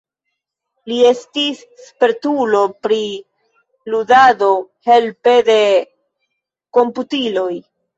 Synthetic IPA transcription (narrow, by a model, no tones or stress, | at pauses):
lie̞stis | peɾtulo̞pɾi | ludado̞he̞lpe̞de̞ | ko̞mputilo̞j